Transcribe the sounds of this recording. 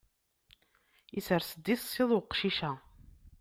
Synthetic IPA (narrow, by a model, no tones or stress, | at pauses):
isəɾsəd̪ːiθsiðˤʊqʃiʃæ